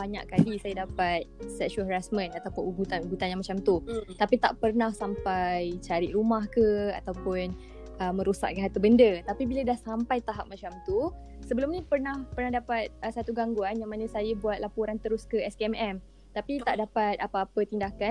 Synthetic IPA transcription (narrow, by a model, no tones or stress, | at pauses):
baɲa̰ʔkalisajadapat̪̚sɛkʃɔɦəɾasmə̃nat̪awpʊnuɡut̪anuɡut̪anjaŋmat͡ʃamt̪ut̪apit̪a̰ʔpərnahsampajt͡ʃaɾiʔɾumahkəa̰t̪awpʊn | ʔəmːə̃ɾusa̰ʔ̚kaɦat̪əbəndət̪apibilədahsampajt̪aɦap̚mat͡ʃamt̪u | səbəlʊmnĩpərnahpərnahdapat̪̚əsat̪uɡaŋɡuanjaŋmanəsajəbuat̪̚lapuɾant̪əɾʊskəɛskeɛmɛm | t̪apit̪aʔdapat̪̚apaːpət̪indaka